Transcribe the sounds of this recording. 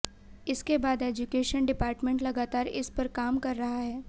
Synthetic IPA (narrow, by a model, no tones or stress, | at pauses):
ɪskebaːd̪eːd͡ʒʊkeːʃənɖɪpaːɾʈmẽɳʈlɐɡaːt̪aːɾɪ̰spɐɾkaːmkɐɾːɐɦaɦɛː